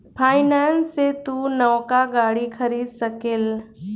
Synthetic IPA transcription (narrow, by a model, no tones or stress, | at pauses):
pʰaːɪnaːnsːet̪unɐʋkaɡaːɽikʰɐɾiːd̪səkel